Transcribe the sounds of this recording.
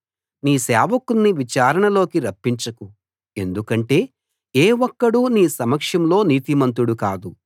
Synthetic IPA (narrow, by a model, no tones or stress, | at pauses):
niːsɛːʋɐkunːiʋit͡ʃaːɾɐɳɐlo̞ːkiɾɐpːiɲt͡ʃɐku | e̞nd̪ukɐɳʈe̞ː | eːʋɔkːɐɽuniːsɐmɐkʂɐmlo̞ːniːt̪imɐnt̪̬uɽukaːd̪u